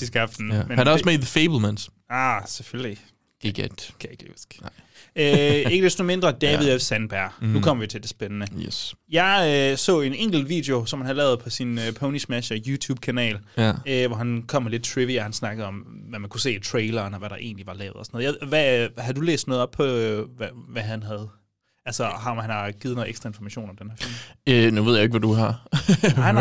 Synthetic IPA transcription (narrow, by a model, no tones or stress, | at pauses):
d̥is̬ɡ̥ɑfd̥n̩menasmeɪdðəfeɪbl̩ˠmæns | ɑsefølli | ɡkʰæjeɡ̥l | øe̝ɡ̥əd̥esd̥ome̝nd̥ʁɐd̥ɛːʋiðˠesænb̥æɐ̰nukʰɒ̽mɐʋit͡sʰe̝ld̥e̝sb̥enənəsjɑ̈ɪøsɔ̰̽ːe̝neŋ̰ɡ̥l̩d̥ʋḭːd̥e̝o̝sɒ̽mhænhælɛ̰ːʊð̞ˠpʰɒ̽sinøpʰoʊnismæʃɐjuːt͡sʰṵːb̥̚kʰænɛ̰ːløʋɒɦænkʰɒ̽m̰ːæled̥̚t͡sʰʁiʋiɒhænsnɑ̈ɡ̥əð̞̩ˠɒ̽mʋæmænkʰuse̝̰ːit͡sʰʁeɪlɐnɒʋæɾ̥ɑ̈ʔe̝̰ːnliʋɑ̈lɛ̰ːʊðˠɒsnɔːðˠjʋæhɑ̈d̥ulḛːsd̥nɔ̽ːðˠɒ̽b̥̚pʰɒ̽ʋæʋæɦænɦæð̞̩ˠ | ælsɐɦmhænhɑ̈ɡ̥ið̩ˠn̩ːˠeɡ̥d̥ʁɑ̈e̝nfɒmæɕo̝̰ːnɒ̽md̥enhæɐ̰fḭl̰mønue̝ð̞̰ˠjaeɡ̥ʋæd̥uɦɑ̈